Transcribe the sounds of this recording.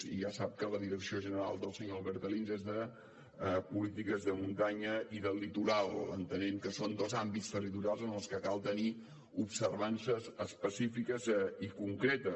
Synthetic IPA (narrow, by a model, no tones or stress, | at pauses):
ḭʒasap̚kələðiɾəksioʒənəɾa̰lˠd̪əlˠsəɲolˠβɛɾt̪əlinzezðə | pulit̪ikəzðəmunt̪aɲəʔiðəlit̪uɾalˠə̰nt̪ənemkəsond̪ozambitst̪ərit̪uɾialˠzənəlˠskəkalˠt̪əni | upsərβansəzəspəsifikəzikuŋkɾet̪ə